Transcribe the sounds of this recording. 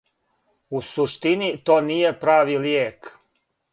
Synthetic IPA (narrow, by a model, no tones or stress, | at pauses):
usuʃt̪init̪oːnije̞pɾaːʋiljeːk